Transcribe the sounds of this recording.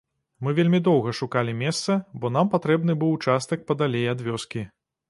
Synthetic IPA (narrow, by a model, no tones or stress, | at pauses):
mɨvʲelʲmʲid̪ɔwɣɐʂukalʲimʲɛst̪sɐbɔn̪ampat̪ɾɛbn̪ɨbɨwt͡ʂast̪ɐk̚pɐd̪alʲejad̪vʲɔskʲi